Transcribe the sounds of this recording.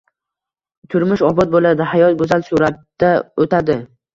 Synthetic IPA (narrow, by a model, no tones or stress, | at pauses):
t̪ʰʊɾmʊʃɒbɒt̪̚bolad̪ɪhajɒt̪̚ɡɵzalsuɾat̪ːaot̪ʰad̪ɪ